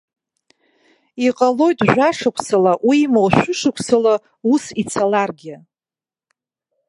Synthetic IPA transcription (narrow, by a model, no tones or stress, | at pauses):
iqʼalo̞jtʼʒᶣʷaʂakʷʰsalaʔwimowʃʷᶣʊʂɨkʷʰsala | usit͡sʰalarɡʲɪ